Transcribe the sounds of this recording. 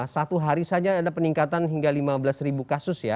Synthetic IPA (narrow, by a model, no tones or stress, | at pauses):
sat̪uɦaɾisad͡ʒaːdapəniŋkat̪anɦiŋɡalimabəlasribukasʊsja